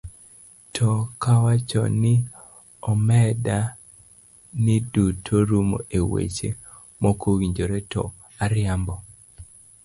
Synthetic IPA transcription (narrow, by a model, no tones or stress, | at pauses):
tʰɔkawat͡ʃɔ̰nɪ | ɔmɛda | nɪdutʰoɾumo̰ʔewḛt͡ʃe | mokʰowiɲd͡ʒoɾetʰɔ | aɾɪambɔ